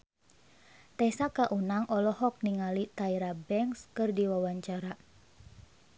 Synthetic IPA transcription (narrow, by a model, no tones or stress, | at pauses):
t̪ɛsakaʔunaŋɔlɔhɔk̚niŋalit̪aiɾabɛŋkskɨrdiwawaɲt͡ʃaɾa